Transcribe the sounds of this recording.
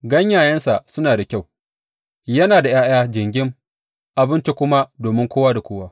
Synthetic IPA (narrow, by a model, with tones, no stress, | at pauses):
ɡɐ˦ɲjaː˨jɐ˦nsa˨ʔsʊ˦naː˨da˨kʲa˦˨w | jɐ˦naː˨da˨jaː˦jaː˦d͡ʒɪ˨ŋɡʲɪ˦m | ʔa˨bɪ˦nt͡ʃe˦kʷʊ˦ma˦doː˨mɪ˦ŋkʷoː˦waː˦da˨kʷoː˦waː˦